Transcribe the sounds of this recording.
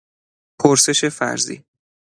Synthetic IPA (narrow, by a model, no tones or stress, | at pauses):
pʰoɾse̞ʃe̞fæ̰ɾzḭː